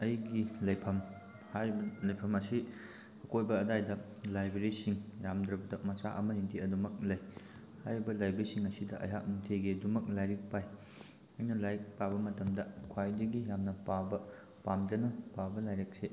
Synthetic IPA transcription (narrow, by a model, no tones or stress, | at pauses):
ɐjɡilɐjpʰɐm | hajɾibɐlɐjpʰɐmɐsi | ɐkojbɐːdajdɐ | lajbeɾisiŋjamdɾɐbɐdɐmɐsa̰ʔɐ̰mɐniŋtʰiɐdumɐk̚lɐj | hajɾibɐlajbeɾisiŋɐsidɐʔɐ̰jɦak̚niŋtʰeɡedumɐk̚lajɾik̚paj | ɐjnɐlajɾik̚pabɐmɐtɐmdɐkʰwajdɐɡijamnɐpabɐ | pamd͡ʒɐnɐpabɐlajɾek̚se